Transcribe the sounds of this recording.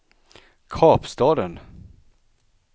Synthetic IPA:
kʰɑːpst̪ɑːd̪ən

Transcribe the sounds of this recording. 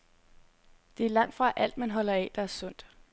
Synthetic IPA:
d̥e̝æɐlɑ̈ŋ̰d̥fʁɑ̈ʔæl̰d̥mænɦɒ̽l̰ɐɛd̥ɑ̈æɐsɔ̽n̰d̥

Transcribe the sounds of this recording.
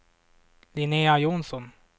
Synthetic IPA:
lɪneːajunsɔn

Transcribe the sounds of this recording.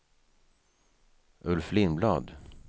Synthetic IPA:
ʔɵlflɪnblɑ̰ːd̪

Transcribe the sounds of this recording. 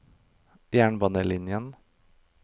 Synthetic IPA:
jæːɳbɑnəlɪnjən

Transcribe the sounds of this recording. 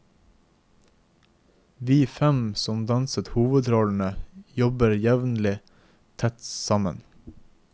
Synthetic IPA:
ʋiːfɛmsɔmd̪ɑnsət̪huːʋəd̪ɾoːln̩əjɔbəɾjæʋn̩lɪ | t̪ʰɛt̪sɑmən

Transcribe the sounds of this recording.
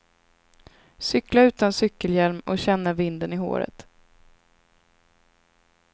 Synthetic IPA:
sʏklaʉ̟ːt̪ansʏkːəljæɾmɔɕɛnːavɪnd̪ənɪɦo̰ːɾə̰t̪

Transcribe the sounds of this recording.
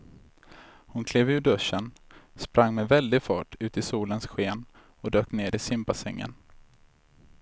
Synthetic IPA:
hʊnkʰleːvʉːɖɵʂənspɾʔaŋːmɛvɛld̪ɪɡfɑ̰ːʈʉ̟ːt̪ɪsuːlənsɧeːn | ɔd̪øːkneːɖɪsɪmpasɛŋːə̰n

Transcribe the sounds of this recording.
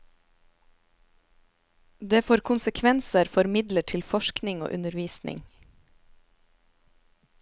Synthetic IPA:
d̪eːfoːɾkʰʊnsəkʰʋɛnsəɾfɔɾmɪd̪ləʈʰɪlfɔʃknɪŋo̰ːʔʉnəɾʋiːsnʔɪ̰ŋ

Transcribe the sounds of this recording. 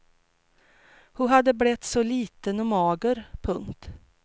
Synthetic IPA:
hʊɦad̪ːəblɛt̪ːsɔliːt̪ənɔmɑːɡəɾpʰɵŋt̪

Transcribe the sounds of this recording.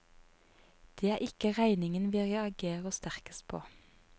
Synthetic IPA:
d̪̥eːæːʔɪkəʁæɪnɪŋənʋɪʁjæɑɡeːʁoːst̪æʁkəst̪̚pʰo̰ː

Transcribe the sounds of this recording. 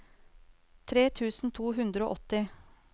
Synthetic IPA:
t̪ʰɾeːt̪ʰʉːsn̩t̪ʰuːɦʉnd̪ɾəo̰ːʔɔt̪ɪ

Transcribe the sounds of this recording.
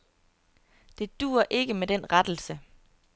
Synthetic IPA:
d̥e̝d̥ṵːɐʔe̝ɡ̥əmed̥enʁad̥l̩sə

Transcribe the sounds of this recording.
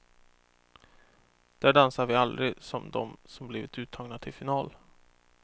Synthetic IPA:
d̪̥æːɖansaɾvɪald̪ɾɪsɔmd̪ɔ̰msɔmblɪvɪt̪ʉ̟ːt̪ʰːɑːɡnat̪ʰɪlfɪnɑːl

